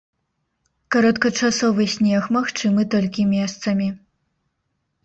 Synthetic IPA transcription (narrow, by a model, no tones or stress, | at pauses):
kɐɾɔt̪kɐt͡ʂasɔvɨsʲnʲɛxmaxt͡ʂɨmɨt̪ɔlʲkʲimʲɛst̪sɐmʲi